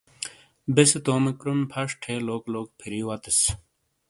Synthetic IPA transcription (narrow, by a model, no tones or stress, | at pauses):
beset̪oːmekɾumpʰɐʂʈʰeloːkloːk̚pʰiɾiːwɐt̪es